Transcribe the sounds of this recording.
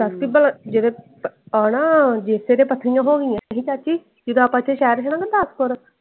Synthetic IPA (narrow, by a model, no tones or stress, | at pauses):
d̪əskibəlad͡ʒed̪eː | anãːd͡ʒeːseːɾẽːpət̪ʰːəɾijãːɦoːɡijãːɦĩt͡ʃat͡ʃiː | d͡ʒɪd̪oaːpãt͡ʃʰːeːʃɛːɾʃʰːnãːked̪əskoɾ